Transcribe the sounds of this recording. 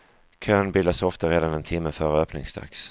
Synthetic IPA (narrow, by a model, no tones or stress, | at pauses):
kʰœːnbɪlːasɔft̪aɾeːd̪anɛnt̪ʰɪmːəfœɾəœːpnɪ̰ŋsd̪a̰ks